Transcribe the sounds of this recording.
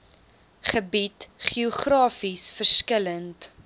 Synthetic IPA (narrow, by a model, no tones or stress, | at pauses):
χəbitχiuχrɑːfisfərskələnt